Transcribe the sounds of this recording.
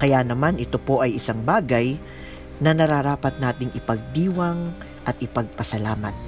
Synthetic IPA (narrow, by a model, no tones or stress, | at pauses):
kɐjanɐmanʔɪt̪o̞po̞ʔɐjɪsaŋbaːɡɐj | nɐnɐɾaɾaːpɐt̪̚naːt̪ɪŋɪpɐɡ̚d̪iːwɐŋ | ʔɐt̪̚ʔɪpɐɡ̚pɐsɐlaːmɐt̪̚